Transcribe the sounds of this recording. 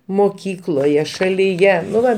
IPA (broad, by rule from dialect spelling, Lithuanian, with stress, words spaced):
moːˈkʲiːklˠoːjɛ ʃɐlʲiːˈjɛ nʊ ˈʋɐ